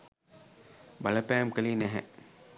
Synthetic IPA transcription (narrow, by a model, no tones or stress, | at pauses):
baləpɛːmkəlinɛɦɛ̰ʔ